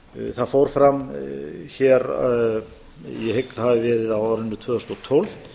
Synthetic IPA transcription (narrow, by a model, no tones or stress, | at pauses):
θaðfowɾ̥fɾam | çɛːɾ | jɛhek̪ðhavɪvɛːɾɪðawaɾɪnt̪ʏt̪ʰvœːðɔst̪ɔt̪ʰowlvt̪